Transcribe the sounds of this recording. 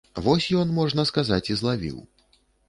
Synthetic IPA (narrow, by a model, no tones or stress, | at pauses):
vɔsʲjɔnmɔʐnɐskazat͡sʲizlˠavʲḭw